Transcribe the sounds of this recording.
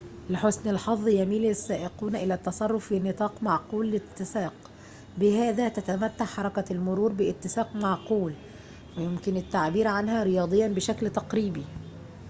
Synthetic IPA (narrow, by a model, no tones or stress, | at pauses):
lɪħosnɪlħɑðˤːjæmiːlɪsːæːʔɪquːnʔɪlæt̪ːɑsˤɑrˤːʊfːinɨt̪ˤɑːqmaʕquːlːɪt̪ːɪsæːq | bɪɦæːðæt̪æt̪æmæt̪ːaʕħɑɾˤɑkalmʊɾuːɾbɪʔɪt̪ːɪsæːqmaʕquːl | wɪjʊmkɪnɪt̪ːaʕbiːɾʕanhæɾɪjɑːd̪ˤɨjːɑnbɪʃæklt̪ɑqɾiːbi